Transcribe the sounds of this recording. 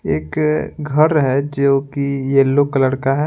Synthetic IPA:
eːkɡʱɐɾɦɛd͡ʒoːkijelːokləɽkaɦɛ

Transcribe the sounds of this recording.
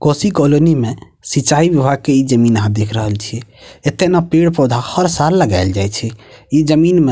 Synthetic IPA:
kosikolonime | sit͡ʃaibibʱaɡ̚keid͡ʒəminəɦãd̪ekʰɾəɦəlt͡ʃʰiet̪ːenapeɽpod̪ʱahəɾsalːəɡaɪld͡ʒajt͡ʃʰɛid͡ʒəminme

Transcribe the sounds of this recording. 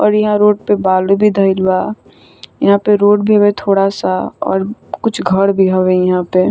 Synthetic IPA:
ɔ̰ːɾjɐɦãɾoːʈ̚pebaːlobʱid̪ʱəɪlwa | jɐɦãpeɾoːʈ̚bʱiɦɐbet̪ʰoːɽasaɔ̰ːɾkʊt͡ʃʰɡʱəɽbʱiɦɐwejɐɦãpe

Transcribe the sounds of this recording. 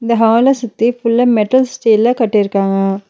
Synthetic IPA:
ɪnd̪ɐɦaːlɐsʊt̪ːifʊlːɐmɛʈɐlsʈiːlɐkɐʈːɪjɪɾɯkːaːŋɡɐ

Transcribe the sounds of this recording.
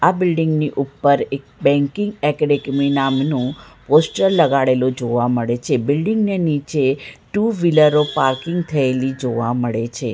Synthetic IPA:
abɪlɖɪŋɡniʔupːəɾek̚bɛ̃ŋkɪ̃ŋɡɛkəɖekminamnũposʈəɾləɡaɽelod͡ʒoʋaməɭet͡ʃʰebɪlɖɪŋɡnenit͡ʃeʈuʋiləɾopaɾkɪŋɡt̪ʰəelid͡ʒoʋaməɭet͡ʃʰe

